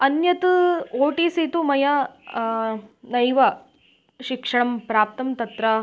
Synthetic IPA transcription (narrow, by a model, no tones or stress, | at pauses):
ɐnjɐt̪uoːʈiːsit̪umɐjɐ | nɐjʋɐ | ʃikʂɐɳɐmpɾaːp̚t̪ɐmt̪ɐt̪ɾɐ